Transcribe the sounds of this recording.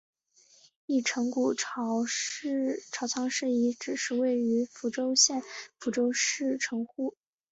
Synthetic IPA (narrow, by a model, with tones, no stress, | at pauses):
i˥˩ʈ͡ʂʰɤ˧˥ŋku˨˩ʈ͡ʂʰ | ʈ͡ʂʰɑ˧˥t͡sʰɑ˧˥ŋʂɻ̩˥˩i˧˥ʈ͡ʂɻ̩˨˩ʂɻ̩˥˧we˥˩ɪy˧˥fu˧˥ʈ͡ʂo˥ʊɕjɛ˥˩nfu˧˥ʈ͡ʂo˥ʊʂɻ̩˥˩ʈ͡ʂʰɤ˧˥ŋxu˥˩